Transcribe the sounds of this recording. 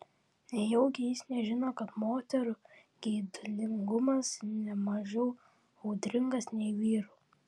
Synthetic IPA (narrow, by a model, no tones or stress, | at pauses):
nʲɛjɛʊɡʲɪjɪsnʲɛʒʲɪnoːkɐt̪moːt̪ʲɛɾu | ɡ̥ʲɛɪd̪ʊlʲɪŋɡʊmɐsnʲɛmɐʒɛʊ | ɐʊd̪ʲɾʲɪŋɡɐsnʲɛɪʋʲiːɾuː